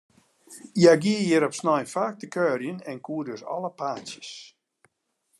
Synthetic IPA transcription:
jaɡiəjɪɾɔpsnajfaːk̚təkœːrjənɛnkʰuədøsɔ̰lˠəpʰaːsjəs

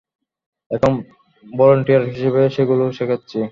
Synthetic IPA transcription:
ɛkʰom | bɔloɳʈijaɾɦiʃebeʃeɡuloʃekʰatːɕʰi

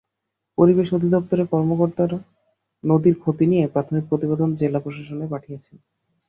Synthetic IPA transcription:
poɾibeʃod̪ʱid̪ɔpt̪oɾekɔɾmokoɾt̪aɾ | nod̪iɾkʰot̪inijepɾat̪ʰonik̚pɾot̪ibed̪ʱond͡ʑelapɾoʃaʃonepaʈʰijet͡ɕʰen

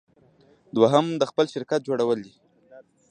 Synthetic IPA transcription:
d̪waɦamd̪əxpəlʃɪɾkat̪̚d͡ʒoɽawəld̪i

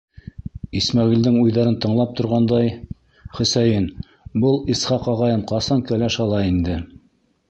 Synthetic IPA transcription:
ismæʁild̪ɘŋujðɑɾɤnt̪ɤ̆ɴlˠɑp̚t̪ŏɾʁɑnd̪ɑj | χɵ̆sæjɘn | bɤlˠisχɑqɑʁɑjɤmqɑsɑŋkælæʃɑlˠɑind̪ɘ

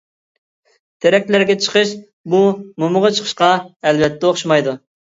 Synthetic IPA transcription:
t̪ʰeɾɛk̚ʲlæɾɡʲɛt͡ʃʰə̥qʰəʃ | bumomʊʁɑt͡ʃʰə̥χʰə̥ʃqɑɛlbɛt̪ʰːɛoχʃmɑjd̪u

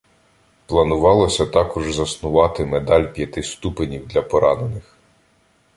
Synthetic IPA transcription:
plˠɐnʊʋɑlˠɔsʲɐt̪ɑkɔʒzɐsnʊʋɑt̪ɪmed̪ɑlʲpʲjɐt̪ɪst̪upenʲiwd̪lʲɐpɔɾɑnenɪx

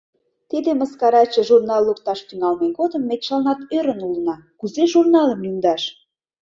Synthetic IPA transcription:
t̪id̪eməskɑɾɑt͡ɕə̆ʒurnɑlˠːuk̚t̪ɑʃt̪yŋɑlmeɡod̪əmːet̪ʃɑlnɑt̪øɾə̆nulənɑkuzeʒurnɑləmjymd̪ɑʃ

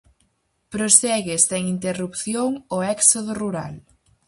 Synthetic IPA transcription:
pɾosɛɣeseŋint̪erupθjoŋoɛksoð̞ʊruɾa̰l

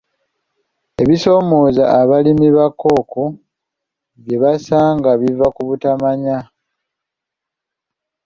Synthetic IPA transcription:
e̞βiso̞ːmo̞ːzaʔːβalimiβakːo̞ːko | βje̞βasaːŋɡaβivakuβutamaɲa

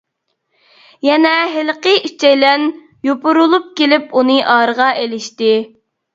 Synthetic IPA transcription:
jɛnɛɦɪlˠqəit͡ʃʰɛjlɛn | jopʊɾulˠup̚kʲelɪpunɨʔɑɾəʁɑʔelɪʃt̪ɪ

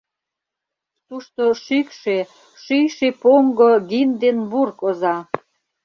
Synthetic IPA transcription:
t̪uʃt̪oʃykʃe | ʃyjʃepoŋɡoɣind̪enβurkozɑ

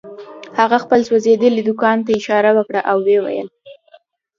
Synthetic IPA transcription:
haɣaxpəlswazed̪əlid̪ʊkɑnt̪aɪʃɑɾawəkɽaʔawːewa̰jə̰l

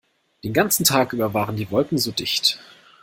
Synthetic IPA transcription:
d̥eːnɡant͡sn̩tʰaːkʔyːbɐvaːʁəndiːvɔlkŋ̩zoːdɪçt

